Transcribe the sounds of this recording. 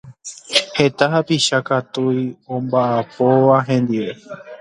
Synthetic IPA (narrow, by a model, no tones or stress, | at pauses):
he̞t̪aɦapiʃakat̪ujõmbaʔapo̞ʋaɦẽ̞nd̪iʋe̞